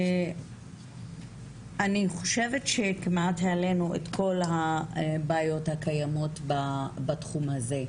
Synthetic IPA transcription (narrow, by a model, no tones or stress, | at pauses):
aniχo̞̥ʃe̞vetʃe̞kimatheale̞nuḛtko̞lɦabaːjo̞thakajamo̞tbabatχumhaze̞